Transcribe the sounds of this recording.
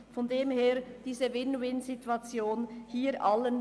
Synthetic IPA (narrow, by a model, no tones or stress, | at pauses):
fɔndeːmheːd̥iːzəvɪnwɪnzituat͡sjoːnhiːʔalən